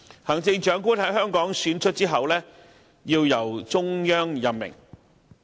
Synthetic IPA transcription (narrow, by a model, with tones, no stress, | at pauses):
haː˨˩ŋt͡sɪ˧ŋt͡ʃœː˨˥ŋkuː˥nhɐ˨˥jɦœː˥ŋkɔː˨˥ŋsyː˨˥nt͡ʃʰɵ˥t̚t͡siː˥ɦɐ˨wlɛː˥ | jiː˧wjɐ˨˩wt͡sʊ˥ŋjœː˥ŋjɐ˨pmɪ̰˨˩ŋ